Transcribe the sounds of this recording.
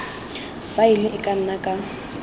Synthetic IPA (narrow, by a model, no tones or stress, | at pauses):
failɪʔɪkʼan̩nakʼa